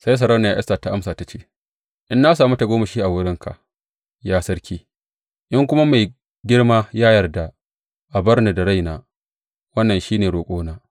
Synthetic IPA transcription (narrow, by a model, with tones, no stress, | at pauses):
sa˦js̬ɐ˨ɾɐ˦wna˨jaː˦ʔɛ̰˦staː˨ta˨ʔa˦msaː˨ta˦t͡ʃeː˦ | ʔɪ˦nːa˦saː˨mu˦ta˨ɡʷoː˦mɐ˨ʃiː˦ʔa˨wʊ˦ɽɪ˦ŋkʰa̰˨ʔ | jaː˦sɐ˦ɽkʲiː˦ | ʔɪ˦ŋkʷʊ˦ma˦ma˨j | ɡʲɪ˦ɽmaː˦jaː˦jɐ˨rda˨ | ʔa˨bɐ˦rni˨da˨ɽa˦jnaː˨ | wɐ˦nːɐ˨nʃiː˦neː˨ɽoː˨kʷʼoː˦naː˦